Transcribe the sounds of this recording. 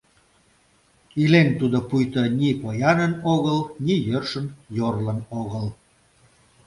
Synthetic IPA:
ilent̪ud̪opujt̪ənʲipojɑnənoɣəlnijørʃənjorlənoɣəl

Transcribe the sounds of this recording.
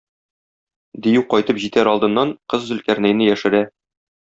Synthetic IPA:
d̪ĭjʉqɒjt̪ɤpʑit̪æɾɒlˠd̪ɤ̆nːɑɴqɤzːɵ̆lkæɾnæjnɘjæʃɘ̆ɾæ

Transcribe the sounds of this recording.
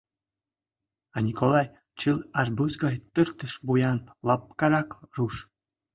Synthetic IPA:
ɑnʲikolˠɑj | t͡ɕɯlˠɑrbuzɡɑjt̪ərt̪ə̆ʃbujɑnlˠɑp̚kɑɾɑkruʃ

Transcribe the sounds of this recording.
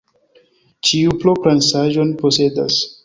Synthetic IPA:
t͡ʃiuplopɾansaʒo̞npo̞se̞das

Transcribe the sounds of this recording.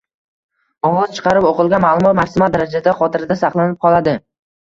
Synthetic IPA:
ɒwɒz̥t͡ʃʰɨ̥qʰɑɾɪpoqɨlˠɡʲanmaːlˠʊmɒt̪maɾsɪmad̪aɾad͡ʒasaχɒt̪ʰɪɾɪd̪asɑqlˠanɪp̚qʰɒlˠad̪ɪ

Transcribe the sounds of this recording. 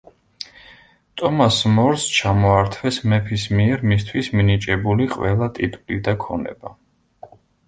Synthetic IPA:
t̪ʼɔmasmɔɾst͡ʃʰamɔaɾt̪ʰwɛsmɛpʰismiɛɾmist̪ʰwisminit͡ʃʼɛbuliqʼwɛlˠat̪ʼit̪ʼwlid̪akʰɔnɛ̰ba

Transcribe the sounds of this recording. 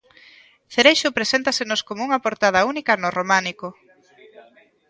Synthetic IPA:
θeɾejʃʊpɾesent̪asɪnʊskomouŋɐpoɾt̪að̞ɐunikɐnʊromanikʊ

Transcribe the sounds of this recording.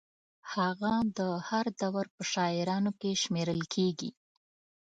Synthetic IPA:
haɣad̪əhaɾd̪awaɾpəʃɑɪɾɑnokeʃmeɾəlkʰeɡḭ

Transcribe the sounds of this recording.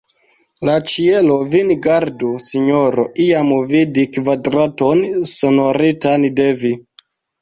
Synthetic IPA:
lat͡ʃielovinɡaɾdusiɲoɾoʔiamvidikvadɾatonsonoɾitandevi

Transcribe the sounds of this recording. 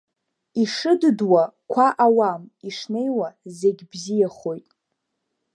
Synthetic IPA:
iʂɨdɨdwakʷʰaʔawamiʂne̞jwaze̞ɡʲbzijaχojtʼ

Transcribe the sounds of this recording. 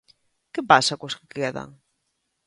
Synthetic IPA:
kepasakoskɪ̥keðɐ̰ŋ

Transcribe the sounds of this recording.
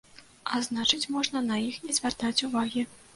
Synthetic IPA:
aznat͡ʂɨt͡sʲmɔʐnɐnɐjixnʲɛzʲvʲart̪at͡sʲuvaɣʲi

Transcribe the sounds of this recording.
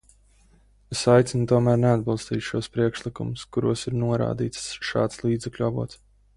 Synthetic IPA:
esajt̪sʲinut̪uɔmæːɾnead̪̚bilˠst̪iːt̪ʲʃuɔspɾiɛkʃlˠikumʊskuɾuɔsiɾnuɔɾa̰ːd̪iːt̪ssʃɑ̰ːt̪slˠiːd̪zɛklʲuavṵɔt̪

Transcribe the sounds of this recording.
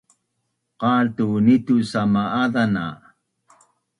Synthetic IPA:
qɑːlt̪unit̪usamaaðana̰

